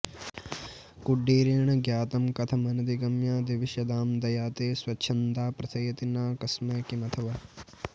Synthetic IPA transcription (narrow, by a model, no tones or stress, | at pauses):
kuɖːiːɾiːɳɐɡjaːt̪ɐmkɐt̪ʰɐmɐnɐd̪iɡɐmjaːd̪iʋiʃjɐd̪aːmd̪ɐjaːt̪eːswɐt͡ʃʰɐnt̪aːpɾɐt̪ʰɐjɐt̪inaːkɐsmɐːkimɐt̪ʰɐʋɐ